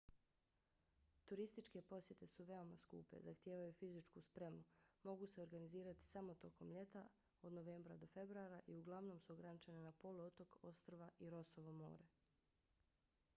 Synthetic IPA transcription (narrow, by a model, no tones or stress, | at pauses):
t̪uɾist̪it͡ʃke̞po̞sje̞t̪e̞suʋe̞o̞maskṵːpe̞̰zaxt̪je̞ːʋajufizit͡ʃkuspɾe̞mumo̞ɡuse̞oɾɡaniziːɾat̪i̥samo̞t̪o̞ko̞mʎe̞t̪a | o̞d̪noʋeːmbɾad̪o̞fe̞bɾuaɾaʔiuɡlˠaʋno̞ːmsuoɡɾanit͡ʃe̞nenapo̞luot̪o̞ko̞st̪ɾoʋaʔiɾo̞soʋomo̞̰ːɾe